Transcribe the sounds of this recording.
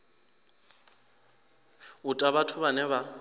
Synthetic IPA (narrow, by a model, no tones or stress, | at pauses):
ʊtʼaβatʰʊβanɛβa